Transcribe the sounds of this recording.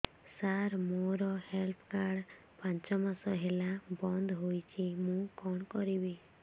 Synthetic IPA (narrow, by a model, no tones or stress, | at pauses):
saɾmoɾɔhelpʰkaɾɽ | pãnt͡ʃɔmasɔɦelabɔnd̪ɦojt͡ʃʰimũkɔɳ̃kɔɾibi